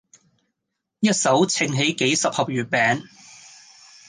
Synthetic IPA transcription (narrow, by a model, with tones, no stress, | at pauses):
jɐ˥t̚sɐ˨˥wt͡sʰɪ˧ŋɦe˨˥jke˨˥jsɐ˨p̚hɐ˨p̚jyː˨˩t̚pɛː˨˥ŋ